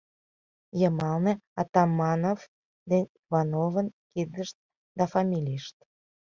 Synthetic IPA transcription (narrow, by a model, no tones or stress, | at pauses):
jəmɑlneɑt̪ɑmːɑnov | d̪enʲivɑnovənkid̪əʃt̪̚ | d̪ɑfɑmʲilʲiʃt̪